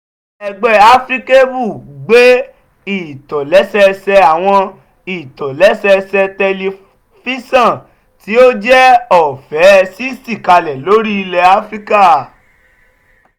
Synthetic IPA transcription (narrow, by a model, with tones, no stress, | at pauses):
ɛ˧ɡ͡bɛ˧a˦fɾi˦ke˦bu˦˨ɡ͡be˦ | i˦˨tɔ˨lɛ˨˦sɛ˧sɛ˧a˨w̃ɔ̃˧ | i˨tɔ˨lɛ˨˦sɛ˧sɛ˧tɛ˧li˧ | fi˦sã˦˨ | ti˨˦o˦d͡ʒɛ˦ɔ˦˨fɛ˨˦si˦si˦˨ka˧lɛ˨lo˦ɾi˦i˧lɛ˧a˨˦fɾi˦ka˦˨